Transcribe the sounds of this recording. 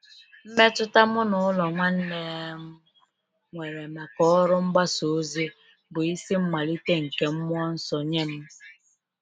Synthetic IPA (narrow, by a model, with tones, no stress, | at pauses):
m̩˦me˦tʊ˦ta˦mʊ˦nʊ˨ʊ˦lɔ˨ŋʷa˦n̩˦ne˦˨˦m̩˦ | ŋʷe˨ɾe˨ma˨kɔ˦ɔ˦ɾʊ˦m̩˦ɡ͡ba˦so˨˦zi˦ | bʊ˨i˦si˦m̩˦ma˨li˦te˦ŋ̩˨ke˦m̩˦mʊ˦ɔ˦n̩˦sɔ˨ɲe˦m̩˦